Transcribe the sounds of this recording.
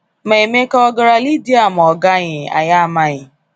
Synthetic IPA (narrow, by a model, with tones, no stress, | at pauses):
me˨e˨me˦ka˦ɔ˦ɡa˦ɾa˦li˦di˦a˦˨m˨ɔ˨ɡa˦ɲɪ˨a̰˨ja˦a˨ma˨ɲɪ˨